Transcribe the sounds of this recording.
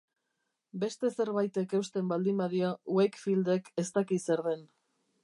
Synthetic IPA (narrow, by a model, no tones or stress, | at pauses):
be̞st̪e̞se̞ɾβajt̪e̞kewst̪e̞mbald̪imbaðiauekfild̪e̞ke̞st̪akise̞ɾðe̞n